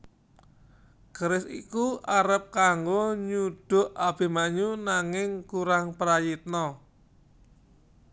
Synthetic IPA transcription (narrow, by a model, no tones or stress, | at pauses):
ɡ̥əɾɪsḭkuaɾəp̚kaŋɡoɲuɖ̥ʊ̤ʔab̥e̤maɲunaŋɪŋkuɾaŋpəɾajit̪̚nɔ